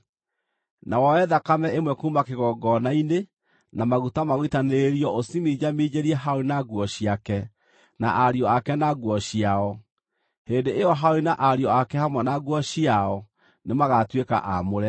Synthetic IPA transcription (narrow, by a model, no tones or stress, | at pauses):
nawɔɛðakamɛemwɛkuːmakeɣɔːɡɔnaine | namaɣutamaɣoitaneɾeɾiɔosimiːd͡ʑamiːd͡ʑeɾiɛɦaoinaɡwɔɕiakɛ | na̰ʔaɾiɔakɛnaɡwɔɕiaɔ | heːndeʔeɔɦaoinaʔaɾjɔakɛhamwɛnaɣwɔɕiaɔ | nemaɣatweka̰ʔamoɾɛ